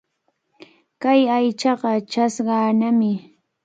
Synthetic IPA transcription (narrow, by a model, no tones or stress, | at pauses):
kajajt͡ʃɑɢɑt͡ʃasɢɑːnamɪ